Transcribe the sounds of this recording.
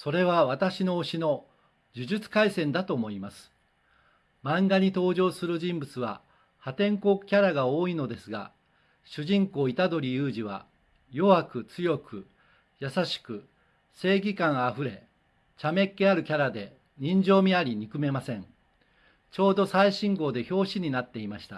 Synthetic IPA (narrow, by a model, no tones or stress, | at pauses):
so̞ɾe̞β̞aβat̪aɕinoːɕino̞ | d͡ʑɨʑɨt͡sɨ̥kaisẽ̞nd̪at̪o̞ːmo̞imasɨ̥ | mãŋɡaɲ̟it̪o̞ːʑo̞ːsɨɾɯ̟ʑĩmbɯ̟t͡sɨβa̰ | hat̪ẽ̞ŋko̞kɯ̟̥kʲaɾaɡao̞ːino̞d̪e̞sɨɡa̰ | ɕɨʑĩŋko̞ːit̪ad̪o̞ɾʲijɯːʑiβa̰ | jo̞βakɯ̟t͡sɨjo̞kɯ̟ | jasaɕi̥kɯ̟ | se̞ːɡʲikãɰ̃aɸɯ̟ɾe̞ | t͡ɕame̞kːe̞aɾɯ̟kʲaɾad̪e̞ | ɲ̟ĩɲ̟d͡ʑo̞ːmʲiaɾʲiɲ̟ikɯ̟me̞masẽ̞ŋ | t͡ɕo̞ːd̪o̞saiɕĩŋɡo̞ːd̪e̞ço̞ːɕiɲ̟inat̪ːe̞imaɕi̥t̪a̰